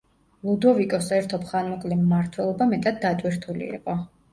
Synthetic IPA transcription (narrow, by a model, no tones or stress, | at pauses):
lˠud̪ɔvikʼɔsɛɾt̪ʰɔpʰχanmɔkʼlimːaɾt̪ʰwɛlˠɔbamɛt̪ʼad̪̚ːat̪ʼwiɾt̪ʰulḭḭqʼɔ